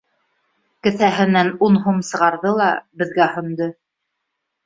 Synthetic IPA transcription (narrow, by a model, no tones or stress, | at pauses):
kɘ̆θæɦɘ̆nænunɦumsɤ̆ʁɑɾðɤlˠɑ̰bɘ̆ðɡæhɵ̆nd̪ɤ